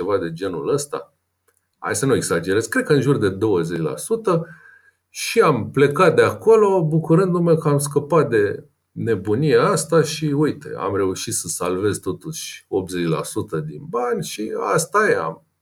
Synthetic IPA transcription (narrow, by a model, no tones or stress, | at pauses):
e̞vad̪e̞d͡ʒe̞nṵləst̪a̰ | a̰jsənue̞ɡsad͡ʒe̞ɾez̥kɾe̞d̪̚kəɨnʒurd̪e̞d̪o̞wəzet͡ʃʲla̰sut̪ə | ʃiample̞kat̪̚d̪eako̞lo̞bukuɾɨnd̪umewkəamskəpat̪̚d̪e̞ | ne̞bunijeast̪aʃiujt̪ḛa̰mre̞uʃit̪səsalve̞zt̪o̞t̪uʃʲo̞p̚t̪zet͡ʃla̰sut̪əd̪ḭnbanʲʃia̰st̪ajea̰m